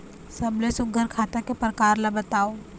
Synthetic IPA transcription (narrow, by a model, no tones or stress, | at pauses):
sɐblesʊɡʱəɾkʰaːt̪akepɾəkaːɾlabɐt̪aːo